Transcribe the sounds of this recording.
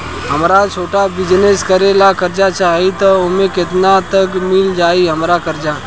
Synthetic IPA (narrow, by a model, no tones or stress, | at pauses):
ɦəmɾat͡ʃʰoːʈabɪd͡ʒneskəɾelakəɾd͡ʒat͡ʃaːɦit̪oʊmẽkɪt̪nat̪əkmɪld͡ʒaːiɦəmɾakəɾd͡ʒa